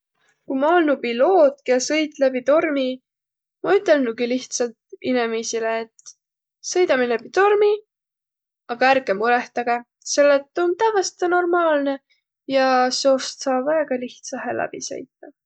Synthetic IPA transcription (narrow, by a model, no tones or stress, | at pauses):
kujmɑolnupilo̞ːt̪kesɤjt̪ˑlæbit̪o̞rmi | mɑyt̪ˑːe̞lnuɡ̥iliht̪sɑlt̪inemisileːt̪ | sɤ̞jd̪ɑmilæbit̪o̞rmi | ɑɡ̥ɑæɾɡemuɾe̞ht̪ɑɡ̥e̞ | se̞lːet̪ːˑo̞nt̪ævɑst̪eno̞rmɑːlne̞ | jɑseo̞st̪sɑːbvæeɡ̥ɑliht̪sɑɦelʔæ̰b̥ḭsɤ̰jt̪ːɑ